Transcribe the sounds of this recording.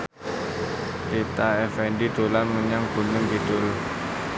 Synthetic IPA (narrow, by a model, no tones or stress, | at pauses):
tit̪aɛfɛnɖid̪̥olanməɲaŋb̥ṳnəŋɡid̪̥ʊl